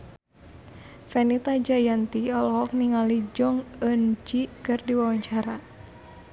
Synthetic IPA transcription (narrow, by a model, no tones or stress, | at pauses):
fɛnit̪ad͡ʒajant̪iɔlɔɦɔk̚niŋalid͡ʒɔŋənd͡ʒikɨrdiwawaɲt͡ʃaɾa